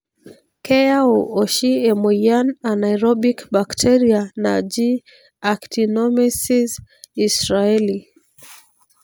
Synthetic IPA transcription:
kɛauɔʃiɛmɔjananaiɾɔɓikbaktʰɛɾianad͡ʒi | aktinɔmisizisɾaɛli

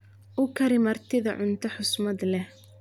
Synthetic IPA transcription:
ʔʊkʰɐɾɪmɐrt̪ʰɪðɐ̰ʕʊnt̪ʰɐħʊsmɐd̪lɛh

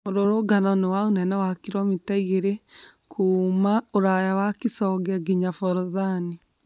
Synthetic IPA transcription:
moɾoɾoɡanɔnewaonɛnɛwakiɾɔmitaiɣeɾe | kʰuːmaoɾajawakisɔɡɛɡiɲafɔɾɔðani

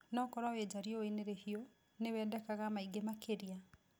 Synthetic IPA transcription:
nɔkɔɾwawed͡ʒaɾioineɾehio | newɛːdɛkaɣamaiɡemakeɾia

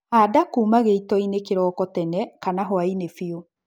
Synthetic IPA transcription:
adakuːmaɣeitɔinekeɾɔːkɔtɛnɛkanaɦɔainefio

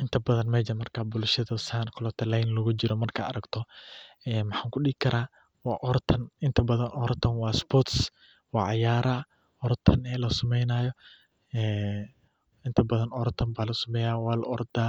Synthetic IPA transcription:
ʔɪnt̪ʰɐbɐðɐnmɛd͡ʒɐmɐrkʰaːbʊlʃɐðɐsaːnkʰʊlɔt̪ʰɐlɛjnlɐɣʊd͡ʒɪɾɔmɐrkʰaɐɾɐɡt̪ʰɔɛːmɑħaːŋkʰʊɗɪɡɪkʰɐɾaː | wɑːʔɔrt̪ʰɐnɪnt̪ʰɐbɐðɐnɔɾt̪ʰɐnwɑːsbɔt̪s | wɑːʕɑjaːɾʔɐ | ɔɾt̪ʰɐnɛːlɐsɐmɛjnaːjɔ | ɛː | ʔɪnt̪ʰɐbɐðɐnɔɾt̪ʰɐmbaːlɐsɐmɛːjaːwɑːlɐʔɔrd̪aː

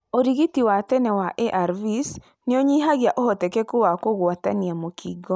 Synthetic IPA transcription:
oɾiɣitiwatɛnɛwaʔeʔaɾvis | neɔɲiɦaɣjaʔohɔtɛkɛkuwakoɣwataniamokʰiːɡɔ

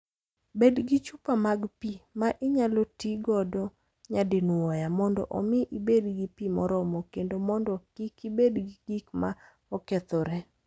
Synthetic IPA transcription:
bedɡit͡ʃupamaɡpimaʔɪɲalotiɡɔdɔ | ɲadɪnwɔjamɔndɔ̰ʔɔmɪʔibedɡipimɔɾɔmɔkendomɔndɔkikibedɡiɡikma | ɔket̪ɔɾɛ

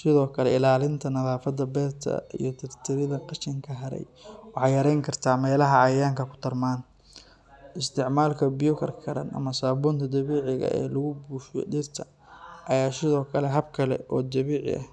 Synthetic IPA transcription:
sɪðɔːkʰɐlɛɪlaːlɪnt̪ʰɐnɐðaːfɐd̪ɐbɛːt̪ʰɐ̰ḭjɞt̪ʰɪrt̪ʰɪɾɪðɐqɑʃɪŋkʰɐɦɐɾɛ̰j | wɑħɑjɐɾɛjŋkʰɐrt̪ʰaːmɛːlɐɦɐʕɑjaːŋkʰɐkʰʊ̥t̪ʰɐrmaːn | ɪst̪ʰɪʕmaːlkʰɐbɪjʊkʰɐrkʰɐɾɐ̰nʔɐ̰mɐsaːbuːnt̪ʰɐd̪ɐβiːʕɪɣɐ̰ʔɛ̰ːlɐɣʊbuːʃjɔ̰ɖɪrt̪ʰɐ | ʔɐjaːsɪðɔːkʰɐlɛɦɐb̚kʰɐlɛ̰ʔɔːd̪ɐβiːʕɪ̰ʔɐ̰h

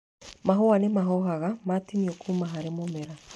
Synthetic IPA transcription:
maɦɔanemaɦɔɦaɣamatinijɔkʰumaɦaɾemomɛɾa

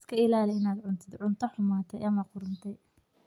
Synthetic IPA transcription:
skʰɐɪlaːlɪɪnaːd̪ʕʊnt̪ʰɪd̪ʕʊnt̪ʰɐħʊmaːt̪ʰɛjʔɐmɐqʊɾʊnt̪ʰɛj

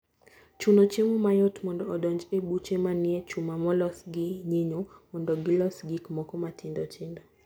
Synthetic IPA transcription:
t͡ʃunot͡ʃemumajɔtmɔndɔːdɔɲd͡ʒebut͡ʃemanɪet͡ʃumamɔlɔsɡɪɲiɲomɔndɔɡɪlɔsɡikmɔkɔmatʰɪndɔt͡ʃɪndɔ

